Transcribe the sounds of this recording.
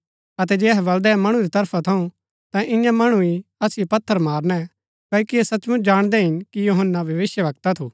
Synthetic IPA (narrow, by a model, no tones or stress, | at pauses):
ɐt̪̬ɛd͡ʒeːɛɦbɐld̪ɛmɐɽ̃uɾit̪ɐɾpʰat̪ʰɐũ | t̪ãʔɪ̃jãmɐɽ̃uiɐsjopɐt̪ʰːəɾmaːɾnɛ | kɐːkiesɐtːt͡ʃmʊ̃t͡ʃʰd͡ʒaːɽ̃d̪ɛɦɪnkijoːɦənːaʋʱjɐʋɪsjəʋɐk̚t̪at̪ʰuː